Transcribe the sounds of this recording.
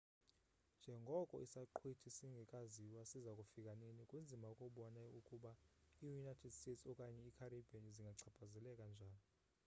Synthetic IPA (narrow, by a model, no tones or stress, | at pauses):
nd͡ʒʱɛŋɡʱɔkʼɔ̰ʔisaǃʰwitʰisiŋɡʱɛkʼaziwasizakʼufikʼanenikʼund͡zʱimaukʼuɓɔnaukʼuɓaijunajtʰɛd̥stetsɔkʼaɲɛikʰaribʱeniziŋɡʱaǀʰab̥ʰʱazɛlɛkʼand͡ʒʱaːni